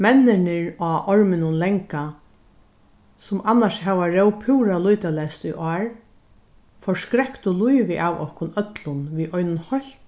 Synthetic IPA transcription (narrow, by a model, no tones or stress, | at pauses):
mɛnːɪnɪɹaʔɔɹmɪnʊnlɛŋka | sʊmanːaʂɦɛʋaɾɛwpʰuwɾalujt̪alɛst̪ujʔɔːɹ | fɔɹskɾɛkt̪ʊlujʋɪʔawɔ̰hkʊnœt̪lʊnʋiːʔɔjnʊnhɔl̥k